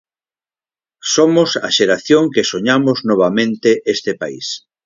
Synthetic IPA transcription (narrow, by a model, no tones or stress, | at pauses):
somosa̰ʃeɾaθjoŋkesoɲamoznoβ̞amẽnt̪eʔest̪epa̰ḭs